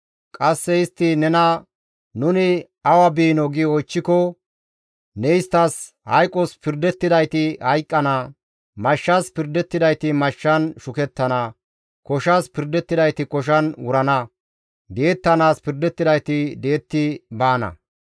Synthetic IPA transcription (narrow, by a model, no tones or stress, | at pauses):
kʼɐsːɛɪst̪ːɪnɛnɐ | nʊnɪ | ɐwɐbiːnɔɡɪɔjt͡ʃːɪkɔ | nɛɪst̪ːɐs | hɐ̰jkʼːɔspɪɾd̪ɛt̪ːɪd̪ɐjt̪ɪhɐjkʼːɐnɐ | mɐʃːɐspɪɾd̪ɛt̪ːɪd̪ɐjt̪ɪmɐʃːɐnʃʊkɛt̪ːɐnɐ | kɔʃɐspɪɾd̪ɛt̪ːɪd̪ɐjt̪ɪkɔʃ̬ɐnwʊɾɐnɐ | d̪e̞ːt̪ːɐnaːspɪɾd̪ɛt̪ːɪd̪ɐjt̪ɪd̪e̞ːt̪ːɪbaːnɐ̰